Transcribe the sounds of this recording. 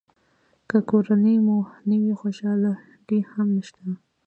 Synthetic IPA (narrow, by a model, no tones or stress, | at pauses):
kəkoɾanəjmunəwixoʃɑla | ɡihamnəʃt̪a